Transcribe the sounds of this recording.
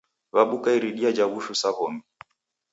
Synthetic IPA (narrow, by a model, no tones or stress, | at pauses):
βaɓukaiɾiɗiad͡ʒaβuʃusaɣɔmi